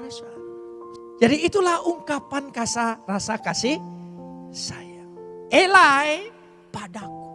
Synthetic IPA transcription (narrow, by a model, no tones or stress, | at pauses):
s | d͡ʒadiːt̪ulahuŋkapankasarasakasih | sajaelaj | padaku̥